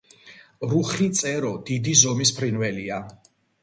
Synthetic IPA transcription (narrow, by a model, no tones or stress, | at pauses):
ɾuχit̪sʼɛɾɔd̪id̪izɔmis̬pʰɾinvɛlia